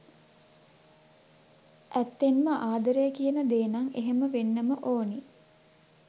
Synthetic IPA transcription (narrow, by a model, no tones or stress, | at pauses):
ʔæt̪ːenməʔaːd̪əɾəjəkijənəd̪eːnaŋeɦeməʋenːəməʔoːni